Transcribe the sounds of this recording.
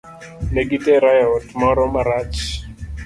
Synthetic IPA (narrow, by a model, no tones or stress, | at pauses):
neɡitɛɾajɔtmɔɾɔmaɾat͡ʃ